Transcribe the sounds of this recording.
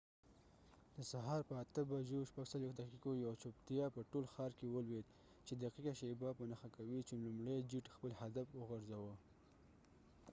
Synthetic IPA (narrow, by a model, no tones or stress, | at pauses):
d̪̥əsaɦɑɾpəat̪əbad͡ʒoʃpaɡsalwexd̪aqiqojawt͡ʃopt̪jɑpəʈolxɑɾkewəlwed̪ | t͡ʃed̪aqiqaʃebapənaxakawit͡ʃelumɽajd͡ʒiʈxpəlhad̪afwəɣaɾzawə